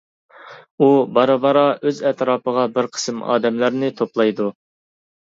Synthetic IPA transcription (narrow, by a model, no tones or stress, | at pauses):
ubɑɾɨbɑɾɑʔøzɛt̪ɾɑːpəʁɑbɪɾqʰə̥sɨmɑ̰ːd̪ɛmlæɾnɪt̪ʰoplˠɑjd̪u